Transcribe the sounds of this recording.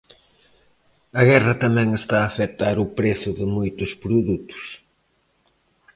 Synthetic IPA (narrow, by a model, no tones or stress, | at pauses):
ɐɣɛrɐt̪ɐmɛ̃ŋest̪aːfet̪aɾʊpɾeθʊðɪmojt̪ʊspɾuðut̪ʊ̥s